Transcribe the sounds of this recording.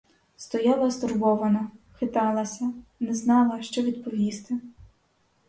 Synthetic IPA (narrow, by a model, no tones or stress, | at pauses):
st̪ɔjɑlˠɐst̪ʊrbɔʋɐnɐxɪt̪ɑlˠɐsʲɐnɛznɑlˠɐʃt͡ʃɔʋʲid̪pɔʋʲist̪ɪ